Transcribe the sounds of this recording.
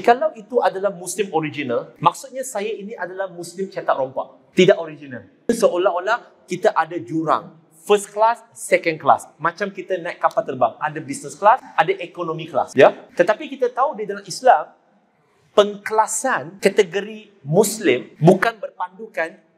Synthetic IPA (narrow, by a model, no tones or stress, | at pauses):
kalawit̪uadalahmuslimoɾid͡ʒinalmak̚sut̪̚ɲasajainiʔadalahmũslimt͡ʃat̪at̪̚ɾɔmpa̰ʔ̚ | t̪idaʔoɾid͡ʒinal | nsəolaholah | kit̪aʔadad͡ʒuɾa̰ŋ | fəsklasːɛkənkla̰smãt͡ʃamkit̪anãjʔ̚kapat̪ərbaŋadabisnəsklasʔadaʔekonõmĩkla̰sjat̪ət̪apikit̪at̪audidalamislam | pəŋkəlasankat̪əɡoɾi | mũslɪmbukanbərpandukan